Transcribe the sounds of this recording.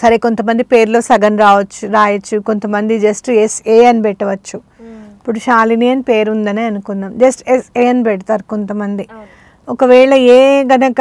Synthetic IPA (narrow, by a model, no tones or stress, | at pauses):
sɐɾeko̞nt̪ɐmɐnd̪ipe̞ːɾlo̞ːsɐɡɐnɾaːʋɐt͡ʃːuɾaːjɐt͡ʃːuko̞nt̪ɐmɐnd̪id͡ʒɐsʈeseːɐnibɛʈːɐʋɐt͡ʃːu | ɐpːuɽuʃaːlinijɐnpeːɾund̪ɐneːɐnukunːaːmd͡ʒɐsʈeseːɐnibɛʈɐt̪aːɾuko̞nt̪ɐmɐnd̪i | okɐʋɛːɭɐeːɡɐnɐkɐ